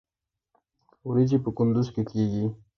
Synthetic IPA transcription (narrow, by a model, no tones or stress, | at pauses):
uɾit͡ʃipəkʊnd̪ʊzkekeɡi